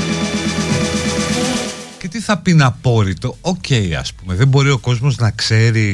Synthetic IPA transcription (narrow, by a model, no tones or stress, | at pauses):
ce̞t̪iθɐpinɐpo̞ɾit̪o̞ocʰe̞iɐ̰spume̞ðe̞mbo̞ɾio̞ko̞zmo̞znɐkse̞ɾi